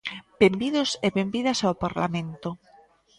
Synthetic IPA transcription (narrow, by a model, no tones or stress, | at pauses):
bembiðoseβembiðasawpaɾla̰mẽnt̪o